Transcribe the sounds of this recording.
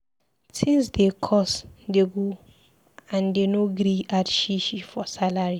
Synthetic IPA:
sĩns̬dekʰɔsdeɡu | ãndenoɡɾiatʃiʃifɔsalaɹi

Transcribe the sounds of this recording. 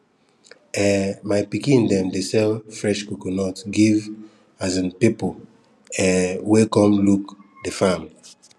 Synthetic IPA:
ɛmaɪpikĩndɛ̃mdesɛlfɹɛʃkukɔnɔtɡiv | azãnpipol | ɛwekɔ̃mluk | defamli

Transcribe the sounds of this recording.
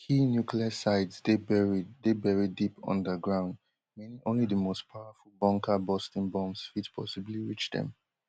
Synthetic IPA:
hinjukliəsaɪdzdebɛɹidebɛɹidipʌ̰̃ndəɡɹãʊ̃nd | mɛnĩʔõnliðəmostpʰaʊəfulˠbɔ̃ŋkʰəbɔstɪ̃nbɔ̃mzsfidpʰɔ̰sibliɹit͡ʃðɛ̰̃m

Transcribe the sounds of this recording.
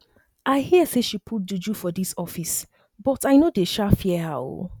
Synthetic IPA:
ʔaɪhiəseʃipʰut̚dud͡ʒufɔdisɔfis | b̥ɔtaɪnodeʃafiɛhao̰

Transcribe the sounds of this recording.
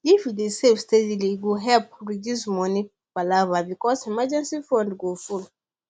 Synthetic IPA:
ifdesevstediliɡuɦɛlp̚ɹidusmɔni | b̥alavabikɔsimad͡ʒɛ̃nsifɹɔ̃ndɡoful

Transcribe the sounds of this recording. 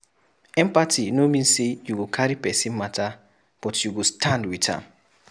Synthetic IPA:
ɛ̃mpatinomĩnsejuɡokʰaɹipɛsĩnmata | b̥ɔtjuɡostʰãndwitã̰m

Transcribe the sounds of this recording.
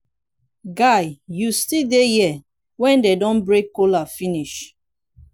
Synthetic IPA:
ɡaɪjustidejɛ | wɛ̃ndedɔ̃nbɹekːolafiniʃ

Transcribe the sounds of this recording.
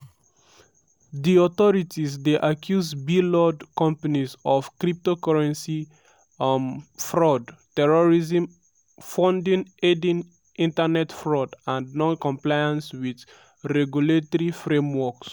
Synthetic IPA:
ðiɔθɔɹitʰizdeʔakʰjuzbilɔdkɔ̃mpanizɔv̥kɹip̚tokɔɹɛ̃nsi | fɹɔdtɛɹɔɹizə̃m | fɔ̃ndĩŋedĩŋ | ĩntənɛtfɹɔdãndnɔ̃nkɔ̃mplajãnswið | ɹɛɡjuletɔɹifɹẽmwɔks

